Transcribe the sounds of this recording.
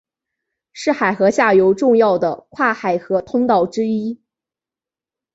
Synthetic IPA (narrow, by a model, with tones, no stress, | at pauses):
ʂɻ̩˥˩xa˨˩ɪxɤ˧˥ɕja˥˩jo˧˥ʊʈ͡ʂʊ˥˧ŋjɑ˥˩ʊd̪ə˩kʰwa˥˩xa˨˩ɪxɤ˧˥t̪ʰʊ˥ŋt̪ɑ˥˩ʊʈ͡ʂɻ̩˥i˥